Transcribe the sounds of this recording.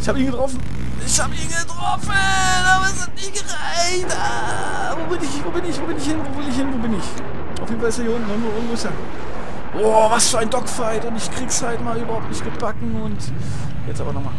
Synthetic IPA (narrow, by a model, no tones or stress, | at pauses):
ʔɪçhaːbəiːnɡətʁɔfn̩ | ɪçhaːbəiːnɡətʁ̥ɔfə | naːbɐsɪtniːɡ̥əʁaɪçta | voːbɪnɪçvoːbɪnɪçvoːbɪnɪçhɪnvoːvɪlɪçhɪnvoːbɪnɪç | ʔa̰ʊfjedn̩falɪstjajiːʊntn̩ʊnvoːɪŋ̩vmʊsjaː | ʔɔːvasfːɐaɪndɔkfaɪtʊntɪçkʁ̥iːɡshaɪtmaːlyːbɐhaʊp̚tnɪçt̚ɡ̥əbakŋ̩ʊnt | jɛt͡sʔa̰ːbɐnɔχma̰ːl